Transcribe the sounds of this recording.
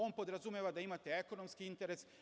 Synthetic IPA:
o̞ːnpo̞d̪ɾazumjeʋad̪aimat̪eeko̞no̞mskiint̪eɾes

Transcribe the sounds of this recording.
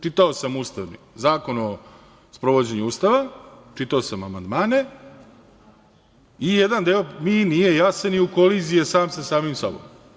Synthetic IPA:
t͡ʃit̪aosamuːst̪aʋni | zaːko̞no | spɾo̞ʋod͡ʑe̞ɲuuːst̪aʋat͡ʂit̪aosamamand̪maːne̞ | ijed̪and̪eominije̞jaseniuko̞lizijesaːmsasaːmimsa̰bo̰m

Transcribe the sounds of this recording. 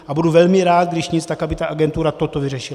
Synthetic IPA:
ʔabuduvɛlmɪɾaːt̪̚ɡdɪʃɲɪt͡st̪akʔabɪt̪aʔaɡɛnt̪uɾat̪ot̪ovɪrɛʃɪl

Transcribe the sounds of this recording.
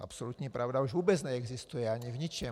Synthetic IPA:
a̰psɔlut̪ɲipɾʔaʊd̪auʒʋuːbɛd͡zɲɛɛɡzist̪ujɛaɲivɲit͡ʃɛ

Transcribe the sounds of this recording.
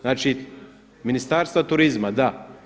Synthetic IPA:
nat͡ʃit̪ | minist̪aɾst̪vat̪uɾizmɐd̪a

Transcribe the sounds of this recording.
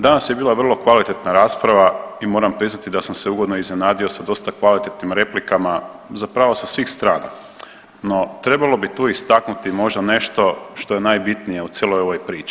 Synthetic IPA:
d̪anasjebiːlˠaʋr̩lˠo̞kʋalit̪e̞t̪naɾaːspɾaʋaimo̞ːɾampɾiznat̪id̪asamseuɡo̞d̪noiznenaːd̪io̞sad̪o̞st̪akʋalit̪et̪nimɾe̞plikama | zapɾaːʋosasʋixst̪ɾaːna̰ | no̞t̪ɾe̞balˠo̞bit̪uːist̪aknut̪imo̞ʒd̪ane̞ʃt̪o̞ʃt̪o̞je̞naːjbit̪nije̞ut̪sʲjelˠo̞jo̞ʋojpɾiːt͡ʃi̥

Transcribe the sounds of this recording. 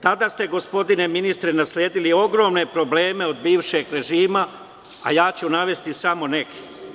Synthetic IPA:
t̪ad̪aːst̪e̞ɡospo̞d̪ine̞minist̪ɾenaslʲjeːd̪ilio̞ɡɾo̞ːmne̞pɾo̞ble̞ːme̞od̪̚biːʋʃe̞ɡɾe̞ʒiːma | a̰jaːt͡ɕunaʋe̞st̪isamo̞ne̞kʰi̥

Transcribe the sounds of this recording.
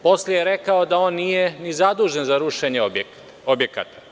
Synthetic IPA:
po̞slejeɾekaod̪ao̞ːnːijenizad̪uːʒenzaɾuʃe̞ɲeob | objeka̰ːt̪ḁ

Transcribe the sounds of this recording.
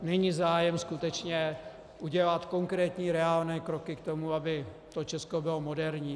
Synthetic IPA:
nɛɲiːzaːjɛmskut̪ɛt͡ʃɲɛ | ʔuɟɛlat̪ko̞ŋkɾɛːt̪ɲiːɾɛaːlnɛːkɾo̞kɪkt̪o̞muabɪ | t̪o̞t͡ʃɛsko̞bɪlomo̞dɛɾɲiː

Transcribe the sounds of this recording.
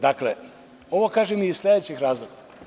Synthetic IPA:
d̪akle | o̞ʋokaːʒemiizslʲed̪et͡ɕixɾaːzlˠoɡa

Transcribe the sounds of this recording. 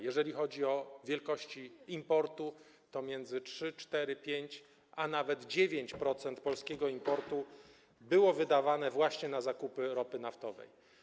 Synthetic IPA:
jɛʐɛlʲixɔd͡ʑiɔvʲjɛlkɔɕt͡ɕiimpɔɾt̪u | t̪ɔmʲjɛnd̪zɘt͡ʂʂɘt͡ʂt̪ɛɾɘpʲjeɲt͡ɕ | anavɛd̪d͡ʑevʲjeɲt͡ɕpɾɔt̪sɛnt̪pɔlskʲɛɡɔimpɔɾt̪u | bɘwɔvɘd̪avanɛvwaɕɲɛnazakupɘɾɔpɘnaft̪ɔvɛ̰j

